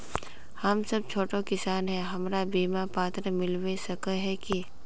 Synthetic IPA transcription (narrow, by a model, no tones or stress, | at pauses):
hɐmsɐb̚t͡ʃʰoːʈokɪsaːnɦɛɦɐmɾabiːmapaːt̪ɾəmɪlwesɐkəɦɛki